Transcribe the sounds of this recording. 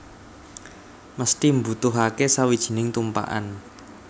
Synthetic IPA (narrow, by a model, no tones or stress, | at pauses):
məst̪imbṳt̪ʊɦakesawid̥ʒ̥i̥̤nɪŋt̪umpa̰ʔa̰n